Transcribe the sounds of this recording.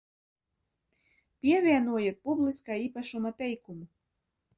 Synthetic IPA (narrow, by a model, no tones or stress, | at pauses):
pʲiɛvʲiɛnuɔjɛt̪̚publiskaːiːpaʃumat̪ɛjkumu